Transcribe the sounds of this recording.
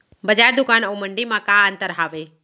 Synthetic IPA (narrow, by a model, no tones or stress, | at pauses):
bəd͡ʒaɾd̪ʊkanəwməɳɖimãkaənt̪əɾɦaːʋe